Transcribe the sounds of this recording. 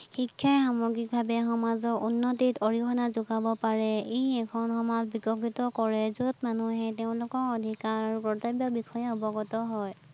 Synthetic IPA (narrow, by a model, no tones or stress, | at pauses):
xikʰːjajxamɔɹɡik̚bʱabɛxɔmazɔɹunːɔtitoɹikʰɔnazʊɡabɔpaɹɛeɛkʰɔnxɔmazbikɔkitɔkɔɹɛzut̚manuɦɛteʊ̃lʊkɔɹɔdʱikaɹaɹupɹɔtebjɔbikʰɔjaɔbɔɡɔtɔɦɔj